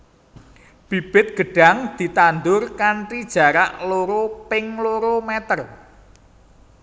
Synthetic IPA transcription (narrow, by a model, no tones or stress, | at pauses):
b̥i̤b̥ɪt̪̚ɡ̥ə̤ɖ̥a̤ŋd̪̥i̤t̪and̪ʊrkaɳʈid̥ʒ̥a̤ɾaʔloɾopɪŋloɾomɛt̪ər